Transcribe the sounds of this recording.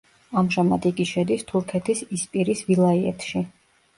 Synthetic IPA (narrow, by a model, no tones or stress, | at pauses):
amʒama̰d̪iɡiʃɛd̪ist̪ʰuɾkʰɛt̪ʰisispʼiɾisvilˠaiɛt̪ʰʃi